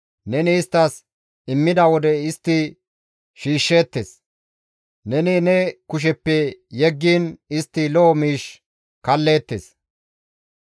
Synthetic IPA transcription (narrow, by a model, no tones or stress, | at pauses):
nɛnɪːst̪ːɐs | ɪmːɪd̪ɐwɔd̪ɛɪst̪ːɪ | ʃiːʃːeːt̪ːes | nɛnɪnɛkʊʃ̬ɛpːɛjɛɡːiːnɪst̪ːɪloːmiːʃ | kɐlːe̞ːt̪ːḛs